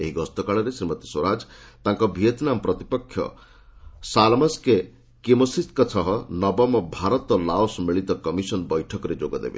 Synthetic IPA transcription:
eɦiɡɔst̪ɔkaɭɔɾesɾimɔt̪i̥swɔɾad͡ʒt̪aŋkɔbʱiet̪nampɾɔt̪ipɔkʰjɔ̰ | salmaske | kimɔsist̪kɔt͡ʃʰɔɦɔnɔbɔmɔbʱaɾɔt̪ɔlaosmiɭit̪ɔkɔmisɔnbɔjʈʰɔkɔɾed͡ʒoɡɔd̪ḛbḛ

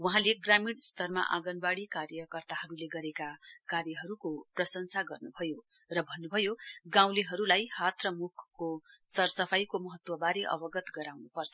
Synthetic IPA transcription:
wʌɦãleɡramiɽst̪ʌrma̰ʔa̰ɡʌnbaɽikarjʌkʌrt̪aɦʌɾuleɡʌɾekakarjʌɦʌɾukoprʌsʌnsʰaɡʌrnubʱʌjo | rʌbʱʌnːubʱʌjoɡãw̃leɦʌɾulajhat̪rʌmukʰkːosʌrsʌpʰajkomʌɦʌt̪wʌbaɾeʔʌ̰bʌɡʌt̪ɡʌɾawnupʌrt͡sʰʌ

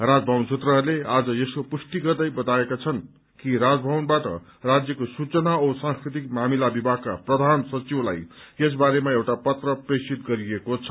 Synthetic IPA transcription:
rad͡zbʱʌwnsʰut̪rʌlead͡zʌeskopusʈiɡʌrd̪ʌjbʌt̪aekat͡sʰʌn | kiɾad͡zbʱʌwnbaʈʌ̰ | rad͡zjʌkosut͡sʌnaosãŋskɾit̪̬ik̚mamilabibʱakːa̰prʌd̪ʱansʌt͡siwla̰jes̬baɾemaewʈapʌt̪rʌpresit̪̚ɡʌɾiekot͡sʰʌ̥

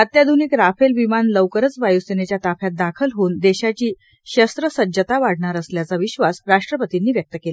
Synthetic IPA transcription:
ət̪jad̪ʱuniːkɾafelʋimanləʋkəɾət͡sʋajusenet͡ɕjat̪afjat̪̚d̪akʰəlɦoːnd̪eɕat͡ɕiː | ɕəst̪ɾəsəd͡ʑət̪aʋaɽ̤ɳaɾəsljat͡saʋiɕʋasɾaʂʈɾəpət̪inːiːʋjək̚t̪əkela

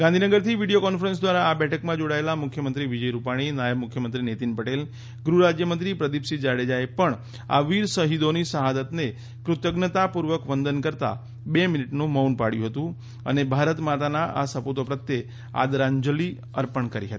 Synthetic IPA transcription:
ɡãnd̪ʱinəɡəɾt̪ʰiʋiɖijokɔnfəɾə̃ns̬d̪ʋaɾaːbɛʈʰəkmãd͡ʒoɽaelamʊkʰjəmənt̪ɾiʋid͡ʒəjɾupaɽ̃inajəbmʊkʰjəmənt̪ɾinet̪inpəʈel | ɡɾuɾad͡ʒjəmə̃nt̪ɾipɾəd̪ipsid͡ʒaɽed͡ʒaepəɳ | a̰ʋiɾsəɦid̪onisəɦad̪ət̪ne | kɾʊt̪əɡnət̪apuɾʋəkʋənd̪ənkəɾt̪a̰ | bemɪniʈnũməunpaɽjṵ̃ɦət̪ũ | ə̰nebʱaɾət̪mat̪anaʔa̰səput̪opɾət̪je | a̰d̪ɾãɲd͡ʒəli | əɾpəɳkəɾḭɦət̪i̥

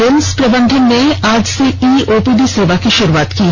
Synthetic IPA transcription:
enspɾəband̪ʱenːead͡ʑseiʔopid̪iseʋakeʃoɾuat̪ki

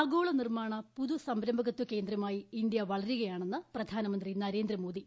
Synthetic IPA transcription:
ɐɡoːɭɐnirmaːɳɐpuðusɐmbɾɐmbʱɐɣɐt̪ːuke̞ːnd̪ɾɐmaːjiind̪jɐʋɐɭɐɾiɣɐjaːɳe̞nːɨprɐd̪ʱaːnɐmɐnd̪rinɐɾe̞ːnd̪ɾɐmo̞ːd̪i

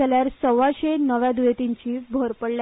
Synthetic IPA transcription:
ljaɾsəʋaɕenəʋjad̪ujet̪iɲt͡ɕiːbʱoɾpəɽlja

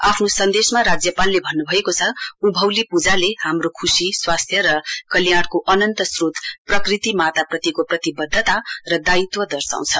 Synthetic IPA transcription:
apʰnosʌnd̪esmaɾad͡zjʌpalːebʱʌnːubʱʌekot͡sʰʌubʱʌwlipud͡zalehamrokʰusiswast̪ʰjʌɾʌkʌljaɽkoʔʌnʌnt̪ʌsrut̪prʌkrit̪imat̪aprʌt̪ikoprʌt̪ibʌd̪ʱːʌt̪arʌd̪ait̪wʌd̪ʌrsa̰w̃t͡sʰʌ

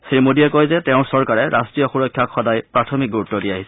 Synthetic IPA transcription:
sɹimodiɛkojzɛtɛʊ̃ɹsɔɹkaɹɛɹʔastɹijɔxuɹɔkʰːjakxɔdajpɹatʰɔmik̚ɡuɹutːɔdiaɦisɛ̥

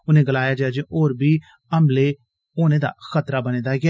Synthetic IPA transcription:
ʊnẽːɡəlaːjaːd͡ʒaːd͡ʒeːʔoːɾbiː | əmleː | oːnẽːd̪a̰ːxət̪ɾaːbəneːd̪aːɡɪa

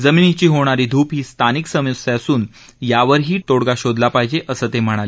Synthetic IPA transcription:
d͡zəminit͡ɕiːɦoɽ̃aɾiːd̪ʱuːpɦiːst̪ʰaniksəmjusasuːn | jaʋəɾɦiːt̪oɽɡaɕod̪lapaɦid͡ʑeʔəsəːt̪em̤əɽ̃ale

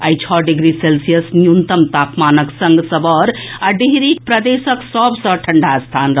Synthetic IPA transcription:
ajt͡ʃʰɔɖiɡɾiselsijəsnjunt̪əmt̪aːpmaːnəksəŋɡsəbɔɾaɖiɦɾik̚pɾɐd̪esəksɔbsə̃ʈʰəɳɖʱast̪ʰaːnɾ

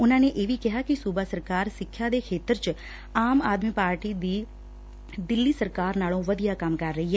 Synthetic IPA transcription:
ʊnãːneːʔeːʋiːkɪɦaːkɪsuːbaːsəɾkaːɾsɪkʰːjaːd̪eːkʰeːt̪əɾt͡ʃ | aːmaːd̪miːpaːɾʈiːd̪iː | d̪ɪlːiːsəɾkaːɾnaːlõʋəd̪ijaːkɐmkɐɾːɐɦiɦɛː

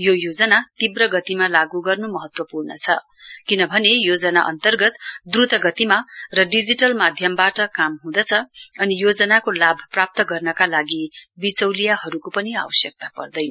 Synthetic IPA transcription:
jojod͡zʌnat̪ibrʌɡʌt̪imalaɡuɡʌrnumʌɦʌt̪wʌpurnʌt͡sʰʌ | kinʌbʱʌnejod͡zʌnaʔʌ̰nt̪ʌrɡʌt̪d̪rut̪ʌɡʌt̪imarʌɖid͡ziʈʌlmad̪ʱjʌmbaʈʌkamɦũd̪ʌt͡sʰʌʌnijod͡zʌnakolabʱprap̚t̪ʌɡʌrnʌkalaɡibit͡sʌwlijaɦʌɾukopʌnia̰wʌsjʌk̚t̪apʌ̰rd̪ʌjn

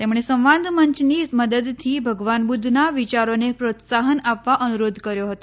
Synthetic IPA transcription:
t̪emɽ̃esə̃mʋãd̪ʱməɲt͡ʃniməd̪əd̪t̪ʰibʱəɡʋanbud̪ʱnaʋit͡ɕaɾonepɾot̪saɦənapʋaʔənuɾod̪ʱkəɾjoɦət̪o

